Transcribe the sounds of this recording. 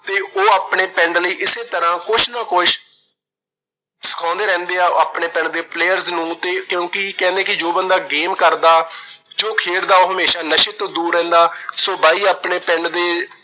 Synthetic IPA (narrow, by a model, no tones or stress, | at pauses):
t̪eːʔoːaːpɳeːpɛ̃ɳɖləiːʔɪseːt̪əɾãːkʊʃʰnəkʊʃ | sə̥kʰãːnd̪eːɾɛ̃ːnd̪eːaːaːpɳeːpɛ̃ɳɖ̚d̪eːpleːjəɾznũːt̪eːkjõːkɪkɛ̃ːnd̪ẽːkɪd͡ʒoːbənd̪aːɡeːmkəɾd̪aːd͡ʒoːkʰeːɽd̪aːoːɦəmeːʃaːnəʃeːt̪õːd̪uːɾːɛ̃ːnd̪aːsoːbaːiːaːpɳeːpɛ̃ːɳɖd̪eː